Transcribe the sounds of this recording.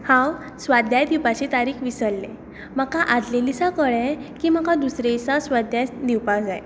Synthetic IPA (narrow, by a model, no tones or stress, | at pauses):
hãw | sʋad̪jad̪iwpat͡ɕit̪aɾiːkʰʋisəlːḛ | məkaʔad̪lelisakəɭɛ̃kimakad̪usɾesasʋad̪jad̪iwpad͡zaj